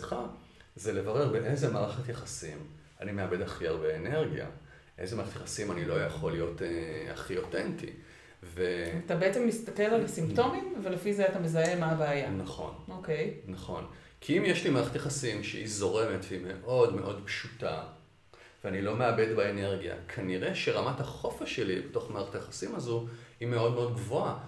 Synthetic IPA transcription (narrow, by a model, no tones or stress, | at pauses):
χa | zele̞vaʁe̞ʁbeʔezemaːʁaχetjaχasim | anime̞abe̞daχiaʁbeene̞ʁɡija̰ | ʔe̞̰zemaʁaχetjaχasimanilo̞jaχo̞lijo̞tea̰χio̞tentḭ | veatabeet͡semːist̪ake̞lalasimpto̞mimvelefizeatamezae̞maːbaːjanaχo̞̰noke̞jnaχo̞̰n | kʰiimjeʃlimaʁt̪jaχasimʃḛhizo̞ʁemetime̞ʔo̞dme̞ʔo̞dpʃuta̰ | veanilo̞me̞abe̞dbaene̞ʁɡija̰kʰaniʁe̞ʃeʁamathaχo̞faʃelibeto̞χmaaʁtjaχasimazuimeodmeo̞d̚ɡvoa